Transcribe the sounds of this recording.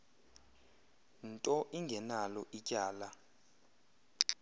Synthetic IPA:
ntʼɔʔiŋɡʱɛnalɔʔicʼaːla

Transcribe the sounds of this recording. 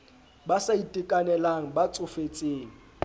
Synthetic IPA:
basaitʼikʼanɛlaŋ̩bat͡sʼʊfet͡sʼeːŋ̩

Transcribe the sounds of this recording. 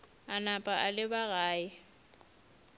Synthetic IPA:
anapʼaʔalɪbaɣaːɪ

